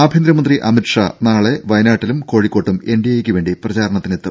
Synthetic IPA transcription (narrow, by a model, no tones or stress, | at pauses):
aːbʱind̪ɾɐmɐnd̪riʔɐmiʈʂɐnaːɭe̞ʋɐjnaːʈːilumko̞ːɻikːo̞ːʈːumeɳɖijɐjekʲːɨʋe̞ːɳɖiprɐt͡ɕaːɾɐɳɐt̪ːinet̪ːɨ